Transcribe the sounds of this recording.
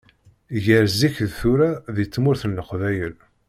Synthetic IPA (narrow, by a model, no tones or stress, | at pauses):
ʝəɾzːiçðθuɾaðjət͡sːmʊɾθənːəqvæjəl